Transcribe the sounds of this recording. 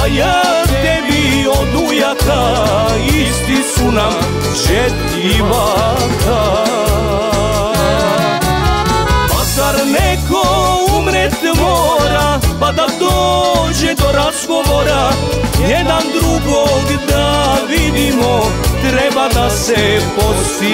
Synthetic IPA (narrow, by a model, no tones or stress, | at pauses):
aja | t̪ɛbiod̪ujaka | ist̪isunam | ʒɛt̪ | iʋa | kʰa | azaɾnɛkoumɾɛt̪moːɾapad̪ad̪oːʒɛd̪oɾazɡoʋoɾa | jɛd̪and̪ɾuɡoɡd̪aʋid̪imot̪ɾɛbad̪asɛpot̪si